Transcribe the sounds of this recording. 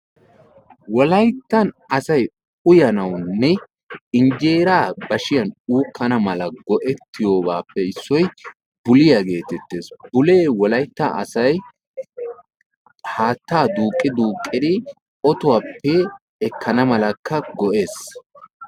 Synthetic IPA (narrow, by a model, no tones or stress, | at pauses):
wɔlɐjt̪ːɐnɐsɐj | ʊjɐnɐwnːɛ | ɪnd͡ʒe̞ːɾaːbɐʃɪjɐnuːkːɐnɐmɐlɐɡɔʔɛt̪ːɪjo̞ːbaːpːɛɪsːɔj | bʊlɪjɐɡe̞ːt̪ɛt̪ːe̞ːsbʊleːwɔlɐjt̪ːa̰ʔɐ̰sɐj | haːt̪ːaːd̪uːkʼːɪd̪uːkʼːɪd̪ɪ | ɔt̪ʊwaːpːɛː | kːɐnɐmɐlɐkːɐɡɔʔe̞ːs